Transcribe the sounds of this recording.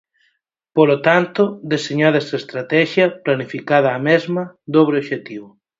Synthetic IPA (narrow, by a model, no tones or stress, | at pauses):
polot̪ant̪od̪eseɲaðesest̪ɾat̪ɛʃjɐplanifikaðɐːmezmɐd̪oβɾeoʃet̪iβo